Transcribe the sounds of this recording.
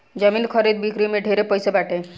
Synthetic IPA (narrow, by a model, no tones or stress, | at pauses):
d͡ʒəminkʰɔɾid̪̚bikɾimeɖʱejɾepɔjsebaʈe